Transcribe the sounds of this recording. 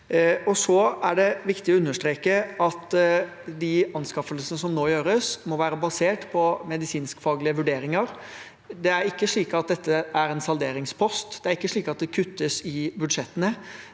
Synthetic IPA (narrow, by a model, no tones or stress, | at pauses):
ɔsɔæɖɛʋɪkt̪ɪɔʉnːəʂt̪ɾeːkəɑt̪ | d̪ɪɑnskɑfəlsənəsɔmnoːjøːɾəsmɔʋæːɾəbɑseːʈpʰɔmɛd̪ɪsiːnskfɑːɡlɪəʋʉɖeːɾɪŋəɾ | d̪ɛæɾɪkːəʂɭiːkɑt̪̚d̪ɛt̪ʰːəæɾɛnsɑld̪eːɾɪŋspʰɔst̪d̪̥ɛæɾɪkːəʂɭiːkɑt̪̚d̪ɛkʰʉt̪ːəsɪbʉd̪ʂɛt̪ːənə